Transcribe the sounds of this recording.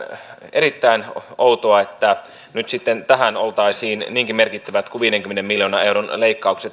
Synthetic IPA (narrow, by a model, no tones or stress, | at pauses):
eɾit̪ːæinout̪oɑet̪ːæ | nyt̪sit̪ːent̪æɦænolt̪ɑisiːnniːŋkimerkit̪ːæʋæt̪kuʋiːdeŋkymːenemmiljoːnɑeuɾonleikːɑukset̪